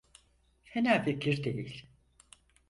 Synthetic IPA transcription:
fenaːfikʲʰiɾd̪ejilʲ

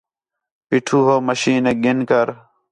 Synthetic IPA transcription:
piʈʰuːɦoːməʃiːneːɡɪnkəɾ

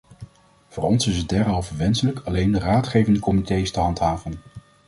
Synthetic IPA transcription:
v̥ʊːɹɔnsɪsəd̚dɛɹɦɑlˠvəʋɛnsələkʰɑlejndəraːtχejvəndəkɔmitejstəɦɑntɦaːvən

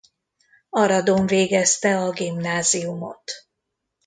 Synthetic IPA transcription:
ɒɾɒd̪oɱveːɡɛst̪ɛɒɡimnaːziumo̰t̪

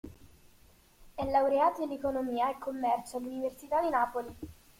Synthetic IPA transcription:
ɛlːawɾeaːt̪oilːekonomiːaekʰːomːɛrt͡ʃoalːuniversit̪ad̪inaːpoli

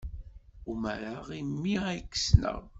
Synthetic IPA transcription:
uməɾaʁimːiækːsnə̰ʁ

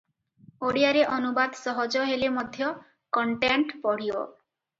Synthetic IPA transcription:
oɽiaɾeʔɔnubad̪sɔɦɔd͡ʒɔɦelemɔd̪ʱjɔ | kɔɳʈeɳʈpɔɽ̤iɔ̰

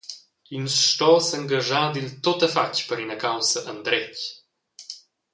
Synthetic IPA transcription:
insʃt̪ɔsəŋɡaʒaːd̪ilt̪ot̪əfacpəɾinəkawsəʔənd̪ɾɛc

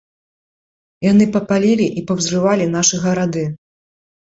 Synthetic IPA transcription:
jan̪ɨpɐpalʲilʲiʔipɐwzrɨvalʲinaʂɨɣɐɾad̪ɨ

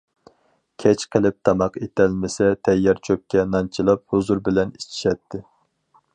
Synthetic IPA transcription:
kʲʰɛt͡ʃqʰəlˠɪp̚t̪ʰɑmɑqet̪ɛlmɪsɛt̪ʰɛjːɛɾt͡ʃʰøp̚kʲːɛnɑnt͡ʃʰilˠɑp̚huzuɾbɪlɛnit͡ʃʰi̥ʃɛt̪ʰːɪ

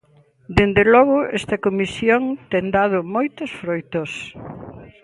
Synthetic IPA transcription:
d̪end̪elɔɣʊɛst̪ɐkomisjoŋt̪eŋd̪að̞ʊmojt̪osfɾojt̪os

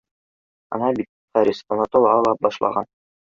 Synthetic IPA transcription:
ɑ̰nɑbit̪̚χæɾʲisonot̪olˠɑlˠɑp̚bɑʃlˠɑ̰ʁɑn

